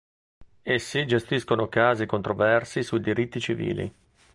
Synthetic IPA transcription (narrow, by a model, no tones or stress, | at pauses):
esːid͡ʒest̪iskonokaːzikont̪ɾovɛrsisuid̪iɾit̪ːit͡ʃivḭːlḭ